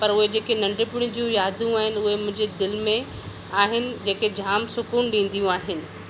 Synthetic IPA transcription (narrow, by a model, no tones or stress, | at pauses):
pɐɾʊɦed͡ʑeːkenɐ̃ɳɖɪpʊɽ̃id͡ʑiũjaːd̪ʱjũaːɦɪnɪ̆ʊɦemʊ̃ɦɪ̃ɲd͡ʑed̪ɪlmẽ | aːɦɪnɪ̆d͡ʑeːked͡ʑʱaːmsʊkuːnɗĩːn̆d̪ijũaːɦɪnɪ̆